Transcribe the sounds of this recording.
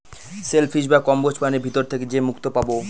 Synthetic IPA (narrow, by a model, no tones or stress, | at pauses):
selpʰiʃbakɔmbot͡ɕpaneɾbʱit̪oɾt̪ʰeked͡ʑemukt̪opabo